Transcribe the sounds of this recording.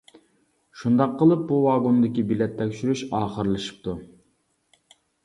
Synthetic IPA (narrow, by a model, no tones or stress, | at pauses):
ʃund̪ɑqːəlˠɨp̚buvɑːɡond̪ɪkʲibilɛt̪ʰːɛkʲʃyɾyʃɑːχəɾlˠɨʃɨ̥p̚t̪ʰu